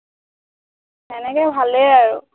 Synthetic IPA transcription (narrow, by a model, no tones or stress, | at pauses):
ɛnɛkɛbʱalejaɹu